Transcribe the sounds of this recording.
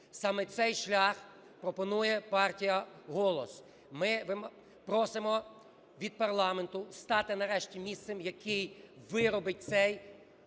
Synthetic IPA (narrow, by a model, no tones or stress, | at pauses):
sɑmɛt̪sɛjʃlʲax | pɾɔpɔnujɛpɑrtʲijɐɦɔlˠɔs | mɪʋɪm | pɾɔsɪmɔ | ʋʲid̪̚pɐrlˠɑment̪ʊst̪ɑt̪ɪnɐɾɛʃtʲimʲist̪semjɐkʰɪjʋɪɾɔbɪt̚ʲtsɛj